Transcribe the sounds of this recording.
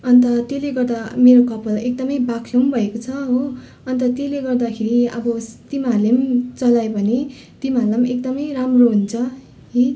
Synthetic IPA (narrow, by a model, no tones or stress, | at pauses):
ʌnt̪ʌt̪eleɡʌrd̪ameɾokʌpʌlek̚d̪ʌmʌjbakʰlombʱʌekot͡sʰʌɦo | ʌnt̪ʌt̪eleɡʌrd̪akʰeɾiʌ̰bʌt̪imalemt͡sʌlajbʱʌne | t̪imalamek̚d̪ʌmʌjramroɦunt͡sʰʌ | i